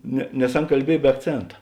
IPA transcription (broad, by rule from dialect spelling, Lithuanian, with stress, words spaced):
nʲɛ nʲɛs ˈɐn kɐlʲˈbʲiɛj bʲɛ ɐkˈt͡sʲeːntɐ